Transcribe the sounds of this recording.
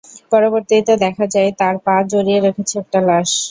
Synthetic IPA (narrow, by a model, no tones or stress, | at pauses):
pɔɾoboɾt̪it̪od̪ɛkʰad͡ʑaet̪aɾpad͡ʑoɾieɾekʰet͡ɕʰeɛk̚ʈalaʃ